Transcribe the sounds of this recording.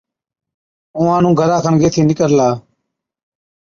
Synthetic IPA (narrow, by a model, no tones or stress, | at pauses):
ũːãːnũːɡʱəɾãːkʰənɡeːt̪ʰiːnɪkəɾlaː